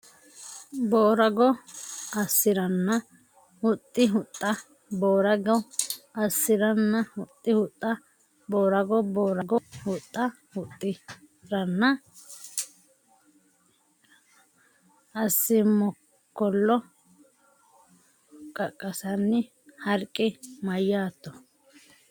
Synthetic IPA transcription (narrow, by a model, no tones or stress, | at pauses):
boːɾɐɡɔɐsːɪɾɐnːɐ | hʊt̪ʼːɪɦʊt̪ʼːɐ | boːɾɐɡɔɐsːɪɾɐnːɐhʊt̪ʼːɪhʊt̪ʼːɐ | boːɾɐɡɔboːɾɐɡɔhʊt̪ʼːɐ | hʊt̪ʼːɪ | ɾɐnːɐ | ɐsːɪmɔ | kːɔlːɔ | kʼɐkʼːɐsɐnːɪ | hɐɾkʼːɪmɐjːaːt̪ːɔ